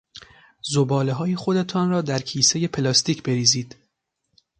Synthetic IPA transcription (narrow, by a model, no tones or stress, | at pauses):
zobɒːleɦɒːjexod̪e̞t̪ʰɒːnɾɒːd̪æɾcʰiːse̞je̞pʰelɒːst̪iːcʰbe̞ɾiːziːd̪̥